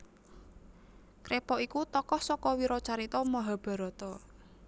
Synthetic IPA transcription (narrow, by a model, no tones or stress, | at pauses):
kɾepɔikut̪ɔkɔhsɔkɔwiɾɔt͡ʃaɾit̪ɔmaɦab̥a̤ɾɔt̪ɔ